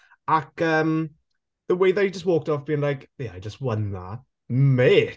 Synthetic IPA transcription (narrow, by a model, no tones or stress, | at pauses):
akəːm | ðəweɪðad͡ʒəs̬t̚woːk̚tɔfb̥iːɪ̃ŋlajkjaɪd͡ʒəst̚wʌnða̰ | me